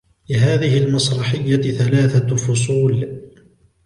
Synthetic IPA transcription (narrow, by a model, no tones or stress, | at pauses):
lɪɦaːðɪhɪlmɑsɾˤɑħɪjːaθalaːθafʊsˤuːl